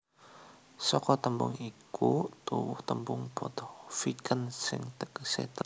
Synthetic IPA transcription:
sɔkɔt̪əmbʊ̰ŋikʰut̪uwʊht̪əmbʊŋb̥ɔt̪ɔfikʰənsɪ̰ŋt̪ksɪht̪

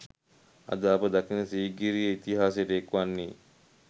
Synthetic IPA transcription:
ɐ̰d̪əːpəd̪akinəsiːɡiɾijəit̪iɦaːsjeʈəekʋanːiː

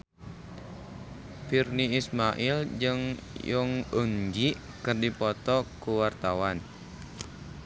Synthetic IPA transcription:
firniismaʔild͡ʒɨŋjɔŋuŋd͡ʒiʔ | kərdipɔt̪ɔkuwart̪awan

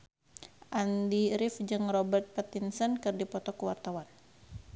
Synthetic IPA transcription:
ʔandiɾifd͡ʒɨŋrɔbɛrt̪̚pat̪insənkɨrdipɔt̪ɔkəwart̪awan

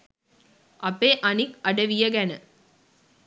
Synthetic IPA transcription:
ɐpːeːʔɐnikɐɽɐʋijɐɡɛnɐ

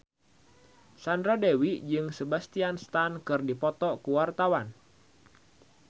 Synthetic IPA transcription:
sandɾadewid͡ʒɨŋsəbast̪ianst̪ankɨrdipɔt̪ɔkuwart̪awan

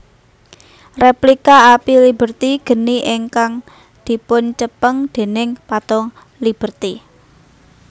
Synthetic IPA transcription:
replikaapilib̥ə̤rt̪iɡ̥ə̤niʔɪŋkaŋ | d̪̥i̤pʊnt͡ʃəpəŋd̪̥e̤nɪŋpat̪ɔŋ | lib̥ə̤rt̪i

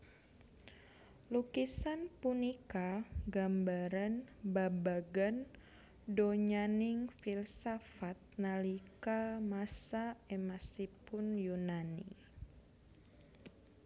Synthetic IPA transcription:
lukisanpunikaɡambaɾanbabaɡan | doɲanɪŋfilsafat̪̚nalikamasaɛmasipʊnjunanḭ

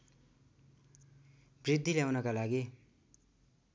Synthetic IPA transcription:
brid̪ʱːiljawnʌkalaɡi

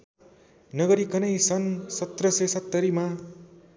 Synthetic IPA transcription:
nʌɡʌɾikʌnʌjsʌnsʌt̪rʌsesʌt̪ːʌɾima

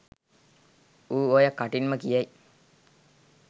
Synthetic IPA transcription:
uːojakːaʈinməkijɐj

